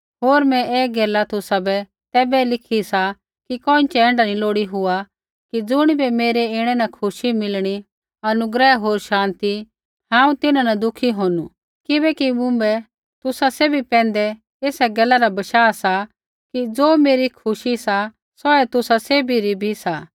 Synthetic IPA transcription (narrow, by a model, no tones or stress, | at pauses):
ɦoːɾmɛ̃ʔɛːɡɛːlat̪ʊsabɛ | t̪ɛːbɛlɪkʰisa | kikɔ̃ːɪ̃t͡ʃɛɛ̃ːɳɖanĩloːɽiɦʊa | kid͡zʊɽ̃ibʱɛmeːɾeɪɽ̃ɛnakʰʊʃimɪlɽ̃i | ɐnʊɡɾɛɦoːɾʃãːnt̪i | hãːũt̪ɪnanɐd̪ʊkʰiɦoːnu | kɪbɛkimʊ̃bɛ | t̪ʊsaseːbipɛ̃ːnd̪ɛ | eːsaɡɛːlaɾabɐʃaːsa | kid͡zoːmeːɾikʰʊʃisa | sɔɛt̪ʊsaseːbʱiɾibʱisaː